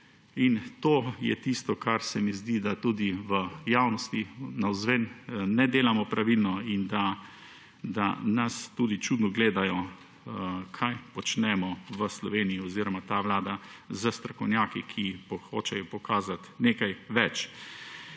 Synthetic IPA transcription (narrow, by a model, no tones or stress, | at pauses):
int̪oːjɛ̰t̪ist̪ɔkʰaɾsɛmizd̪id̪at̪uːd̪iʋəjawnɔst̪inawzʋɛnnɛd̪eːlamɔpɾʔaʋilnɔind̪a | d̪a̰nast̪uːd̪it͡ʃuːd̪nɔɡleːd̪ajɔ | kʰajpɔt͡ʃnɛmɔʋəslɔʋeːnijiɔziːɾɔmat̪aʋlaːd̪azəst̪ɾɐkɔwnjaːkikʰipɔxoːt͡ʃɛjɔpɔkaːzat̪neːkajʋɛt͡ʃ